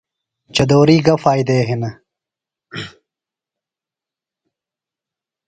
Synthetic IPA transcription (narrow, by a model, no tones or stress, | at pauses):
t͡ɕɐd̪oːɾiːɡɐfaːjd̪eːɦenɐ